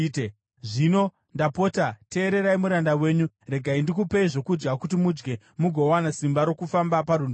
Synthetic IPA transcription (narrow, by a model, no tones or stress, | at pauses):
ʐino̞ | ndapo̞ːtate̞ːɾe̞ɾaimuɾandawe̞ːɲu | re̞ɡʱaindikupeiʐo̞kud͡ʒɡakutimud͡ʒɡe̞ | muɡʱo̞wanasimbaɾo̞kufambapaɾun